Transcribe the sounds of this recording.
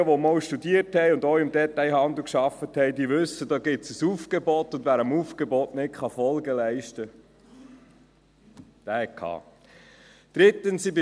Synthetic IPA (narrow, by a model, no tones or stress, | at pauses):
əʋɔmɔwʃtudiərthɛɪʊndɔwɪmdɛt̪aɪhɑnd̪l̩ˠkʃɑfəthɛɪdiʋʉsədɑːɡɪtsəsufɡ̥ebɔtʊndvʋæːɾəmufɡ̥ebɔtnɪtkχɑfɔlɡəlɛɪʃtə | d̥æːhɛkʰɑ̰ː | d̪̥ɾɪt̪ənsibɪ